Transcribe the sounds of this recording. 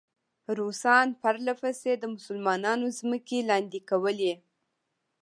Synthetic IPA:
ɾusɑnpaɾlafased̪əmʊsəlmɑnɑnozməkelɑnd̪ikawəle

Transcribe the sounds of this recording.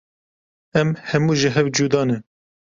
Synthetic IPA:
ɛmhɛmuːʒɪɦɛwd͡ʒuːd̪ɑːnɛ

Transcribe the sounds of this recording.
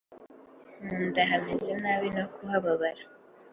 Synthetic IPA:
muːndaɦamezenaːβinokʰuɦaβaβaɾa

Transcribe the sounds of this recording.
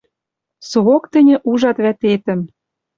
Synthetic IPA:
suɣokt̪ɘ̆nʲɘ̆ʔuʒɑt̪βæt̪et̪ə̆m

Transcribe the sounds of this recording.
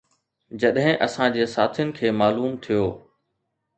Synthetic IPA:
d͡ʑɐɗɦɪ̃ʔɐsãd͡ʑeːsaːt̪ʰɪjʊnɪ̆kʰeːmaːluːmt̪ʰijoː

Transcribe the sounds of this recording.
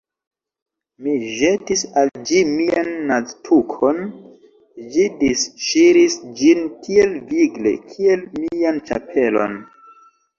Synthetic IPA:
miʒe̞tisald͡ʒimianːaztʰukʰo̞n | d͡ʒidisʃiɾisd͡ʒinkielviɡle̞̰kʰie̞lmiant͡ʃa̰pʰe̞lo̞̰n

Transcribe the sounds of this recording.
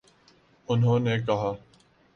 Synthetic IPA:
ʊnɦõːneːkɐɦaː

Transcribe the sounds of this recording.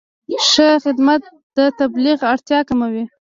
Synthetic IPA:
ʃəxɪd̪mat̪̚ | d̪̥ət̪abliɣaɽt̪jɑkamawi

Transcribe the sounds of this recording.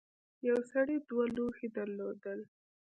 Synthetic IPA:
jawsaɽed̪walohed̪əɾlod̪əl

